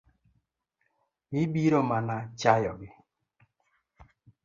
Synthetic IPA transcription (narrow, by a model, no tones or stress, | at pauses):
ibiɾomanat͡ʃajɔɡɪ